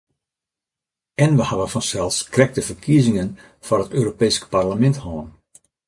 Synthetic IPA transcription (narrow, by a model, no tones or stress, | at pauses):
ɛnʋəhaʋəfɔnsɛlˠskrɛk̚təfərkʰiəzɪŋən | fɔnətøːɾopeːskparləmɛnthɔːn